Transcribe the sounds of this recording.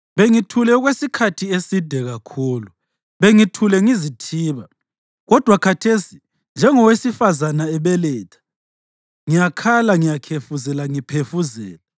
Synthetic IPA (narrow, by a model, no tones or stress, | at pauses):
βeŋitʰulɛuɣwesikʰatʰiesid̥ʱɛɣakʰuːlu | βeŋitʰulɛŋizitʰiːβa | ɣɔd̥ʱwakʰatʰesi | nd͡ʒʱɛŋɔwesifazanaɛβɛlɛːtʰḁ | ŋijakʰalaŋijakʰefuzɛlaŋipʰefuzɛ̰ːla